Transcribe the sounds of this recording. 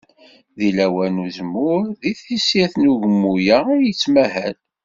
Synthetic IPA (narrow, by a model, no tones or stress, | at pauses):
ðilæwænuzmːʊɾðiθisiθnuʝəmːujaʊɾjət͡sːmæhæl